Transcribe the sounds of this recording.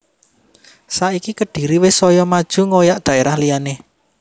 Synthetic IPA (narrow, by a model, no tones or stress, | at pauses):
saʔikikəɖ̥i̤ɾiwɪsɔjɔmad̥ʒ̥ṳŋojaʔd̪̥ä̤ʔeɾahlijane